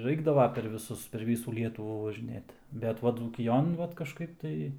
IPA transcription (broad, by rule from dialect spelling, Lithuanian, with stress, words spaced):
ˈrɐɪɡdɐʋɐ pʲɛr ʋʲɪˈsʊs pʲɛr ˈʋʲiːsuː ˈlʲiɛtʊʋuː ʋɐʒʲɪˈnʲeːt bʲɛt ˈʋɐ d͡zuːkʲɪˈjoːn ˈʋɐt kɐʃˈkɐɪp tɐɪ